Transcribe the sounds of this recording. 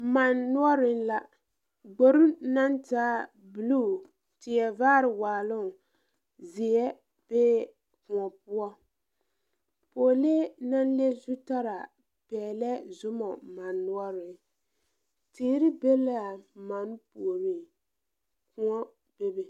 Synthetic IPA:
ma˨nːʊ˦ɔ˦ɾɪ˦n˦la˨ | ɡ͡bo˨ɾu˦na˦ntaː˦ | bu˨lu˦˨ | tɪ˨jɛ˨vaː˦ɾɪ˨waː˨lʊ˦˨ | zi˨jɛ˦ | b̥eː˦ | kʊ˨ŋɔ˨pʊ˦ɔ˦ | poː˨le˦na˦n˦le˦zu˦ta˦ɾa˨ | pɛː˨lɛ˦zʊ˦mɔ˨ma˨nːu˦ɔ˦ɾɪ˨˦ | tiː˦ɾi˦be˦la˨ma˨˦n˦pu˨o˨mi˦˨ | kʊ˦ɔ˦ | b̥e˦be˨

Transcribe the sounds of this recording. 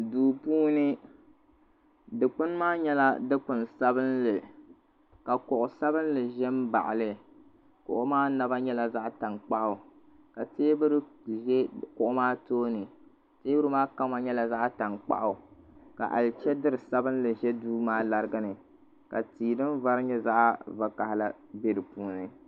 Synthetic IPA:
duː˨puː˦nɨ˦ | dɨ˨k͡pʊ˦nmaː˦ɲɛ˦la˦dɨ˦k͡pʊ˨nsa˦bɨ˦nlɨ˨ | ka˨kʊ˨ʔʊ˨sa˦bɨ˦n˦lɨ˨ʒɛ˦mba̰˨ʔɪ̰˨lɨ˨ | kʊ̰˨ʔʊ˦maː˦na˦ba˦ɲɛ˦la˨za˦ʔta˨ŋk͡pa˦ʔʊ˨ | ka˨teː˦bɨ˦ɾɨ˦ʒɛ˦kʊ˨ʔʊ˦maː˦toː˦nɨ˨ | teː˦bɨ˦ɾɨ˦maː˦ka˦ma˨ɲɛ˦la˨za˦ʔta˨nk͡pa̰˦ʔʊ˨ka̰˨ʔa̰˨lt͡ʃɛ˦dɨ˦ɾɨ˨sa˦bɨ˦n˦lɨ˨ʒɛ˦duː˦maː˦la˨ɾɨ˦ɡa˦nɨ˨ | ka̰˨tiː˨nɨ˦mva˦ɾɨ˦ɲɛ˦za˦ʔa˦va˨ka˨hla˦be˦ɾɨ˨puː˦nɨ˨

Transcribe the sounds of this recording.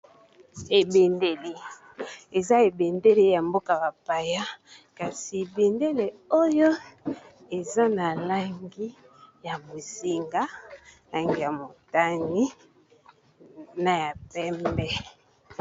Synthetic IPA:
e˨be˨nde˨le˨ | e˨za˦e˨be˨nde˦le˦ja˨mbo˦ka˨ba˨pa˨ja˦ | ka˨si˨e˨be˨nde˦le˨o˦jo˦ | e˨za˦na˨la˦ŋɡi˦ | ja˨mo˨si˨ŋɡa˦la˨ŋɡi˦ja˨mo˨ta˦ŋi˦ | na˨ja˨pɛ˦mbɛ˦

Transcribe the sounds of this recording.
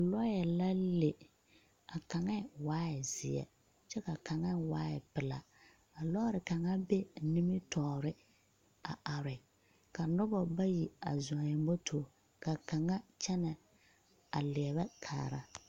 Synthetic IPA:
lɔ˦jɛ˨la˦le˨ | a˨ka˨ŋɛ˦˨waː˦ɪ˨zɪ˨ɛ̰˨ | t͡ʃɛ˦ka˨ka˨ŋɛ˦waː˦ɪ˨pɪ˨la˨ | a˨lɔ˦ɾɪ˨ka˨ŋa˦be˦ni˦mɪ˦tɔː˨ɾɪ˦ | a˨ʔa˨ɾɪ˨ | ka˨nʊ˦bɔ˨ba˦ji˨a̰˨zʊ˨a˨jɛ˨m˦bɔ˦tʰoː˨ | ka˨ka˨ŋa˦t͡ʃɛ˦nɛ˨ | a˨lɪ˨ɛ˨βɛ˦kʰa̰ː˨ɾa˦

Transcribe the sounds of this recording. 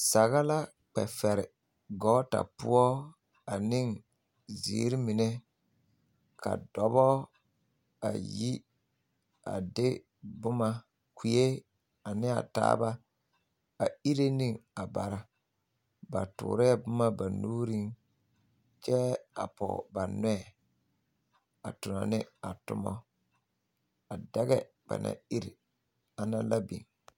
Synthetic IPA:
sa˨ɣa˦la˦ | k͡pɛ̰˨fɛ˨ɾɪ˨ | ɡɔ˨˦ta̰˨pʊ˦ɔ˦ | a˨nɪ˦ŋ | zḭ˨˦ɾɪ˦mɪ˨nɛ˦ | ka̰˨dɔ˨bɔ˦ | a̰˨ji˦ | a̰˨dɪ˦ | bʊ˦ma˦ | kʰi˨e˦ | a˨nɪ˦a̰˨ta̰ː˦ba˦ | a˨i˦ɾe˦ni˦ŋa˨ba˨ɾa˨ | ba˨tʊ̰ː˨ɾɪ˦ɛ˦bʊ˦ma˦ba˨nuː˦ɾi˦ŋ | t͡ʃɛ˦a˨pɔ̰˨ba˨nɛ˦ɛ˨ | a˨tʊ˨nɔ˨nɪ˦a˨tʊ˦mɔ̰˦ | a˨dɛ˦ɣɛ˦ | b̥a̰˨na̰˨i˦ɾi˨ | a˨na˦la˦bḭ˨ŋ

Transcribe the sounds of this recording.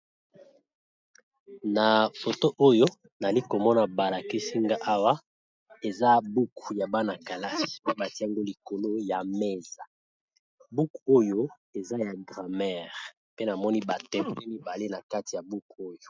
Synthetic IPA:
na˨fo˨to˦ʔo˦jo˦ | na˨li˦ko˨mɔ˦na˨ba˨la˨ki˦si˦ŋɡa˦ʔa˦wa˦ | e˨za˦bu˦ku˨ja˨ba˦na˨ka˨la˦ʃi̥˨pe˦ba˨ti˦a˦ŋɡo˦li˨ko˨lo˦ja˨me˦za˨ | bu˦kuo˦jo˦ | e˨za˦ja˨ɡʁa˨mɛ˦˨ʁ | pe˦na˨mɔ˦ni˦ba˨tɛ˦pe˦mi˦ba˨le˦na˨ka˦ti˨ja˨bu˦kuo˦jo˨

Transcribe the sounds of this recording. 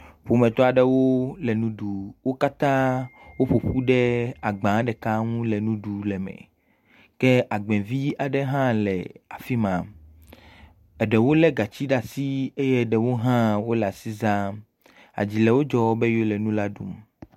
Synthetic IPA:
ɸo˨mɛ̃˨t̪ɔ˦a˨ɖɛ˦wo˦lɛ˨nũ˦ɖu˨wo˦ka˦t̪ã˦wo˦ɸo˨ɸu˦ɖɛ˦a˨ɡ͡bã˨˦ɖɛ˨ka˦ŋũ˦lɛ˨nũ˦ɖu˨lɛ˨mɛ̰̃˨ | kɛ˦a˨ɡ͡bɛ̃˨vi˦a˨ɖɛ˦ɦã˦lɛ̰˨a̰˨fi˦mã˨ | ɛ˨ɖɛ˨wo˦lɛ˦ɡa˨t͡ɕi˦ɖa˨si˦e˦jɛ˦˨ɖɛ˨wo˦ɦã˦wo˦lɛ˨a˨si˦zã˦ | a̰˨d͡ʑi˨lɛ˨wo˦d͡ʒɔ˦be˦jo˦lɛ˨nũ˦la˦ɖṵ˦m

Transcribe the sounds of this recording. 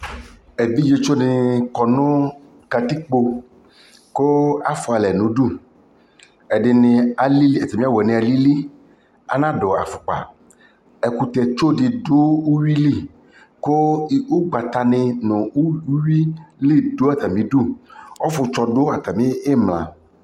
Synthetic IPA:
e˨bi˦d͡ʒe˧t͡ʃo˦nɪ˨kɔ˨nʊ̃˦ | ka˨t̪i˦k͡po˧ | ko˦a˨fʊ˨a˨lɛ˨nũ˨˦ɖu˦˨ | ɛ˨ɖɪ˨nɪ̃˨a˨li˦i˦ɛ˨t̪a˨mĩ˦a˦wɛ˨nɪ̃˨a˨li˦li˦ | a̰˨nã˦dɔ˨a̰˨fʊ˨k͡pa̰˨ | ɛ˨ku˨t̪ɛ˨t͡ʃo˦dɪ˨do˦u˦wi˦li˦˨ | ko˦˨u˦ɡ͡ba˨t̪a˨nɪ̃˨nɔ̃˨u˦wi˦li˦˨do˦a˦t̪a˨mĩ˦du˦ɔ˦fʊ˨t͡ʃɔ˨dʊ˦a˨t̪a˨mĩ˦e˦mlã̰˨

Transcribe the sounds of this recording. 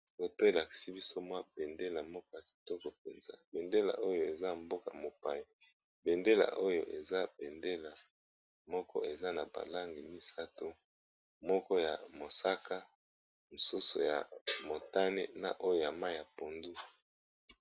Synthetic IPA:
ko˨to˦e˨la˨ki̥˨si˦bi˦so˦mwa˦be˨nde˦la˨mɔ˦kɔ˦ja˨ki̥˨tɔ˦kɔ˨p̚e˨nza̰˦be˨nde˦la̰˨ʔo˦jo˦e˨za˦˨mbo˦ka̰˨mo˨pa̰˨ja˨ | be˨nde˦la̰˨ʔo˦jo̰˨ʔe˨za˦be˨nde˦la˨ | mɔ˦kɔ˦e˨za˦na˨ba̰˨la˦ŋɡi˨mi˦sa˦to˦ | mɔ˦kɔ˦ja˨mo˨sa˦ka˦ | mo˨su˦sṵ˨ja̰˨mo˨ta˦ne˦na̰˨ʔo˦jo˨ja˨ma˦˨ja˨po˨ndu˦

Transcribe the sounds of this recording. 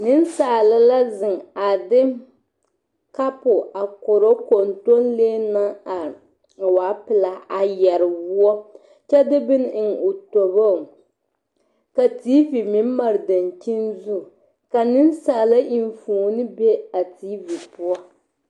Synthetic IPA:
nɪ˦nsaː˨la˦la˦zɪ˨ŋa˨dɪ˦ | ka˦pʊ˨a˨ko˨ɾo˦ko˨nto˦nleː˦na˦a˨ | waː˨˦pɪ˨la˨a˨jɛ˨ɾɪ˨wu˦ɔ˦ | t͡ʃɛ˦dɪ˦bɪ˦n˦ɪ˨ŋo˨to˨βa˦˨ | ka˨tiː˦vi˨mɪ˨˦m˦ma˨ɾɨ˨da˨nt͡ʃi˦nzu˦˨ | ka˨nɪ˦n˦saː˨la˦ʔi˨ɱ˨foː˨nɨ˦be˦a˨tiː˦vi˨pʊ˦ɔ˦

